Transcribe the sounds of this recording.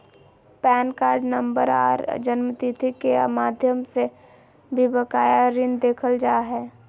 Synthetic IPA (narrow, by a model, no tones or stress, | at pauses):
pɛːnkaːɾɖnə̃mbəɾa̰ːɾd͡ʒənmət̪it̪ʰikḛmaːd̪ʱjəmse | bʱibəkaːjaɾɪ̃nd̪eːkʰəld͡ʒaːɦɛː